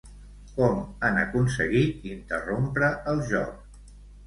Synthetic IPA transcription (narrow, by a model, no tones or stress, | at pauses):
kɔmanə̰kuns̬əɣit̪int̪ərompɾəʔəlˠʒɔ̰k